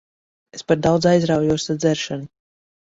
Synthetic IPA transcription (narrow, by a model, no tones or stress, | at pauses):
espaɾd̪awd̪zajzɾawjuɔsad̪zɛɾʃanu